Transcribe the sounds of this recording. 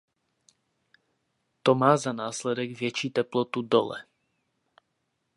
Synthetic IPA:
t̪ɔmaːzanaːslɛd̪ɛɡvjɛt͡ʃiːt̪ɛplɔt̪ud̪ɔ̰lɛ̰

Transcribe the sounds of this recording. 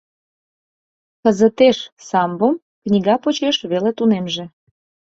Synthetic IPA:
kəzət̪eʃsɑmbəm | knʲiɣɑpot͡ɕeʃβelet̪unemʒĕ

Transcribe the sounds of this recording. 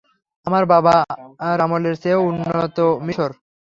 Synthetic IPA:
amaɾbabaaɾamoleɾseounːot̪omiʃoɾ

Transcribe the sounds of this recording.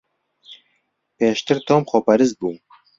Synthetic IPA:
peːʃt̪ɨɾt̪ʰoːmxoːpɛɾɨzt̪̚buː

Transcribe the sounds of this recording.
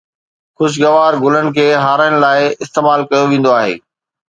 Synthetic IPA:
xʊʃ̬ɡɐʋaːɾɡʊlənɪ̆kʰeːɦaːɾəɪñɪ̆laːɪɪst̪eːmaːlkɐjoʋẽːnd̪oaːɦḛː

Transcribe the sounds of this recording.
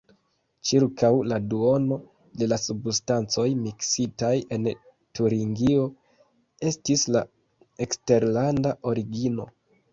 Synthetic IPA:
t͡ʃiɾkawladuo̞no̞ | de̞lasubstant͡so̞jmiksitaje̞n | tuɾiŋɡio̞ | e̞stisla | ekste̞ɾlandaʔo̞ɾiɡino̞̰

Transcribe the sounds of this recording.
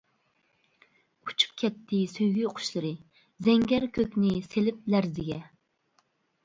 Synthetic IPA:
u̥t͡ʃʰu̥p̚kʲʰɛt̪ʰːɪsøjɡʲyoqʰʊ̥ʃlˠɨɾɨ | zɛŋɡʲɛɾkʲʰøkʲnɪselɪp̚læɾzɪɡʲɛ

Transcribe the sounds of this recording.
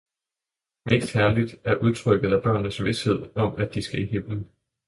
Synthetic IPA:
me̝̰ːsd̥hæɐlid̥æɐʔuð̞ˠt͡sʰʁœɡ̥ð̞̩ˠæb̥ɶɐ̰nnəsʋe̝she̝ð̰ˠɒ̽mæd̥isɡ̥æihemlən̩

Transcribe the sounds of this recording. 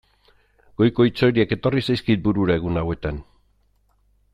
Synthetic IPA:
ɡ̥o̞jko̞it͡so̞eɾieke̞t̪o̞risajskit̪̚buɾuɾae̞ɣ̞unawe̞t̪an

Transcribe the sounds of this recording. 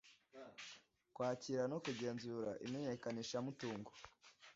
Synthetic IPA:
kwaːciɾano̞kuɟe̞ːnzuːɾa̰ʔḭme̞ɲe̞kaniʃamutuːŋɡo

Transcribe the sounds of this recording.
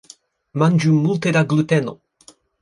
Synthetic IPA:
mand͡ʒumult̪ed̪aɡlut̪ɛno

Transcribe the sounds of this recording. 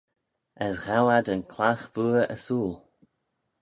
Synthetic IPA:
əsɣawad̪ənkʰlaxv̥uːə̰suːl

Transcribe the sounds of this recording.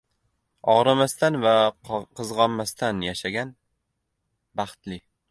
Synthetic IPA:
ɒʁɾamast̪anvaqʰɨzʁɒnmːast̪anjaʃaɡʲan | bɑχt̪lɪ

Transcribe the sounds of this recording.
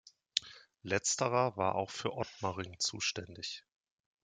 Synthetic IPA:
lɛt͡stəʁɐvaːɐʔa̰ʊxfyːɐʔɔtmaʁɪŋt͡sṵːʃtɛndɪç

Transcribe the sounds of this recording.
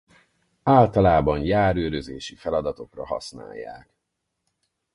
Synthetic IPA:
aːlt̪ɒlaːbɒnjaːɾøːɾøzeːʃifɛlɒd̪ɒt̪o̞krɒɦɒ̰sna̰ːjːa̰ːk

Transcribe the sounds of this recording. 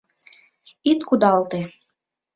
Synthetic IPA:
it̪kud̪ɑlˠt̪e

